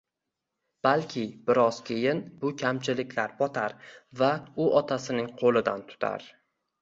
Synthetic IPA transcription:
b̥alkʲʰɪbɪɾɒz̥kʲʰejɪnbʊkʲʰamt͡ʃʰɪlɪkʲʰlaɾbɒt̪ʰaɾvaʊʔɒt̪ʰasɪnɪŋqʰolˠɪd̪ant̪ʰʊ̥t̪ʰa̰ɾ

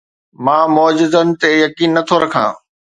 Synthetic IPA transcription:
mãːmɔːd͡ʑɪzənɪ̆t̪ejɐkiːnːɐt̪ʰoɾɐkʰã̰ː

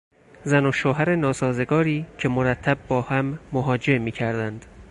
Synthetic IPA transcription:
zænoʃoːɦæɾenɒːsɒːze̞ɡɒːɾiːcʰe̞moɾæt̪ʰːæb̚bɒːhæmːoɦɒːd͡ʒe̞miːcʰæɾd̪ænd̪̥

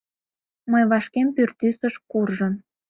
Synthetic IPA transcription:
məjβɑʃkempyrt̪ysəʃkurʒən

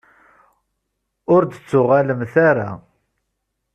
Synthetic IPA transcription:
ʊɾd̪ət͡sːʊʁaləmθaɾa̰

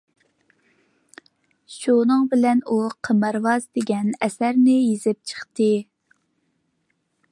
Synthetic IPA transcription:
ʃunɨŋbɪlɛnuqʰəməɾvɑzd̪eɡʲɛnɛsæɾnɪjezɪp̚t͡ʃʰə̥χt̪ɨ

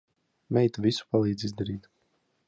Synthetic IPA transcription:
mɛjt̪avʲisu̥palˠiːd̪zizd̪aɾiːt̪

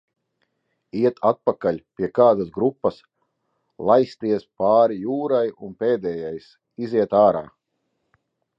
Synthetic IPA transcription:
iɛt̪ʰat̪̚pakalʲpʲiɛkaːd̪asɡɾupːɐs | lˠajst̪iɛspaːɾijuːɾajunpeːd̪ɛːjajs | iziɛt̪aːɾa̰ː

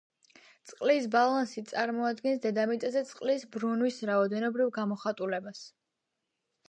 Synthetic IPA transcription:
t̪sʼqʼlisbalˠansit̪sʼaɾmɔad̪ɡɛnsd̪ɛd̪amit̪ʼazɛt̪sʼqʼlisbɾunwisɾaɔd̪ɛnɔbɾivɡamɔχat̪ʼulɛbas

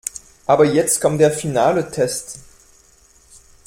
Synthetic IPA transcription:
ʔaːbɐjɛt͡stkɔmdɛɐfinaːlətʰɛst

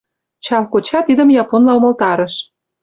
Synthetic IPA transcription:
t͡ɕɑlkot͡ɕɑt̪id̪ə̆mjɑponlɑomɤ̆lt̪ɑɾə̆ʃ

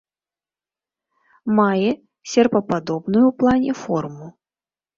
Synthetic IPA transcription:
majɛ | sʲɛrpɐpad̪ɔbnujuwplˠanʲɛfɔrmu

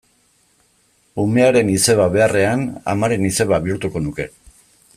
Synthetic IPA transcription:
ume̞aɾe̞nise̞βaβe̞are̞ana̰maɾe̞nise̞βaβiuɾt̪uko̞nuke̞

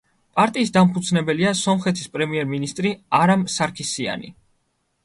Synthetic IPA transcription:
pʼaɾt̪ʼiːsd̪ampʰud̪sʰnɛbɛliasɔmχɛt̪ʰispʼɾɛmiɛɾminist̪ʼɾiaɾamsaɾkʰisia̰nḭ

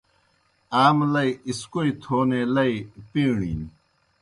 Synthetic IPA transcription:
aːmlɐiiskoit̪ʰoːneːlɐipiːɳḭːn

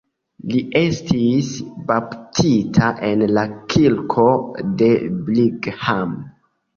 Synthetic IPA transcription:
liʔe̞stisbaptʰitʰaʔe̞nlakʰilkʰo̞de̞bliɡham

